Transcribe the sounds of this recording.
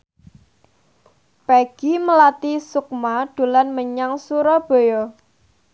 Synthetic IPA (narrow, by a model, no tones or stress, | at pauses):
pɛɡ̥iməlat̪isuk̚maɖ̪̥ṳlanməɲaŋsuɾɔb̥o̤jɔ